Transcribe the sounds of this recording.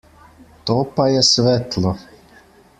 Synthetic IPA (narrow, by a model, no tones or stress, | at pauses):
t̪opajɛsʋɛt̪lˠo